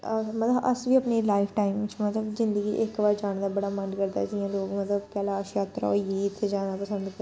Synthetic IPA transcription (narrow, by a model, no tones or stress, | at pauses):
mət̪ləbʔə̰sʋiːəpneːlaːɪpʰʈaːimɪt͡ʃmət̪ləbzɪ̃nd̪əɡḭːʔɪkbaːɾd͡ʒaːɳ̃d̪aːbəɽaːmə̃nɖkəɾd̪a̰ːsijãːloːɡmət̪ləbkɛːlaʃjaːt̪ɾa̰jiːt̪sed͡ʒaːnaːpəsə̃nd̪kə